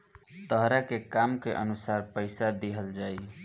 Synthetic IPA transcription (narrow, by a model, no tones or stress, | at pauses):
t̪əɦɾakekamkeʔə̰nusaɾpəɪsad̪eɦəld͡ʒaj